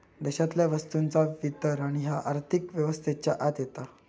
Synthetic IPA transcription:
d̪ɛɕat̪ljaʋəst̪unt͡saʋit̪əɾaɽ̃iɦaʔaɾt̪ʰikʋjəʋəst̪ʰet͡ɕjaʔat̪jet̪a

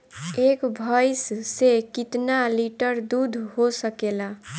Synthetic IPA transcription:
ekbʱajsːekit̪naliʈəɾd̪ud̪ʱhosəkela

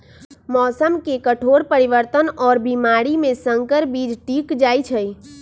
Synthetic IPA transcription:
mɔːsəmkekəʈʰoɽpəɾiʋəɾt̪ənɔːɾbimaːɾimẽsə̃ŋkəɾbid͡ʒʈikd͡ʒaːjt͡ʃʰəj

